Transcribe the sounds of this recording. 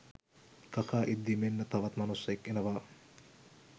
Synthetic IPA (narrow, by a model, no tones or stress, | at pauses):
k̪ɐkaːʔid̪ːimenːɐt̪ɐʋɐt̪mɐnusːekːenɐʋaː